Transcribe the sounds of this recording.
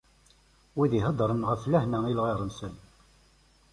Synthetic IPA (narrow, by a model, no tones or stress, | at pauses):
wiðiɦəd̪ˤɾˤənʁəflæhnæilʁiʁˤənsən